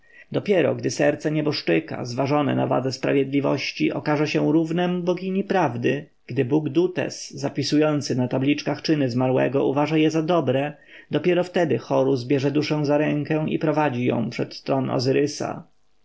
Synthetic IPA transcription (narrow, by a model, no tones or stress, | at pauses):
d̪ɔpʲjɛɾɔ̰ɡd̪ɘsɛɾt̪sɛɲɛbɔʂt͡ʂɘka̰zvaʐɔnɛ̰na̰va̰d̪zɛspɾa̰vʲjɛd̪lʲivɔ̰ɕt͡ɕiʔɔkaʐɛɕɛ̃ɾuvnɛmbɔɡʲiɲipɾavd̪ɘ | ɡ̥d̪ɘbuɡd̪ut̪ɛ̰sːapʲisujɔnt̪sɘnat̪ablʲit͡ʂkaxt͡ʂɘnɘzmaɾwɛ̰ɡɔ̰ʔuvaʐajɛzad̪ɔbɾɛ | d̪ɔpʲjɛɾɔft̪ɛd̪ɘxɔɾuzbʲjɛʐɛd̪uʂɛ̃w̃zaɾɛŋkɛ̃w̃ḭpɾɔvad͡ʑijɔ̰̃w̃pʂɛt̪st̪ɾɔnɔ̰zɘɾɘsa̰